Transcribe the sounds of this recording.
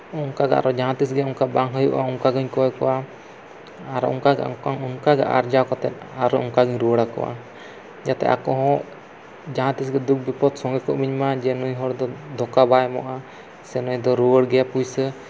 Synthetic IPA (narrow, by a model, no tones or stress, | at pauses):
uŋkaɡa̰a̰ɾɔd͡ʒaɦãt̪isɡɛuŋkabaŋɦəjṵʔauŋkaɡɔɲkɔɛkɔwa | aɾɔ̰ʔṵŋkaɡɛ̰ʔɔ̰ŋkaŋuŋkaɡɛ̰ʔa̰ɾd͡ʒakɔt̪ɛt̪̚aɾɔuŋkaɡɔɲɾuwəɽakɔ̰wa̰ | d͡ʒat̪ɛ̰ʔa̰kɔɦɔ̃ʔ | d͡ʒaɦãt̪isɡɛd̪uk̚bipɔt̪sɔŋɡɛkɔʔmiɲmad͡ʒɛnujɦɔɽd̪ɔd̪ɔkabajmɔ̰ʔa | sɛnujd̪ɔɾuwəɽɡɛjapujsə